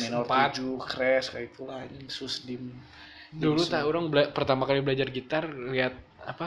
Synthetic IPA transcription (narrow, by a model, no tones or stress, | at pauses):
minɔrpad͡ʒukɾɛskait̪ulad͡ʒsusdim | dulut̪auɾaŋblapərt̪amakalibəlad͡ʒarɡit̪arliat̪̚ | apa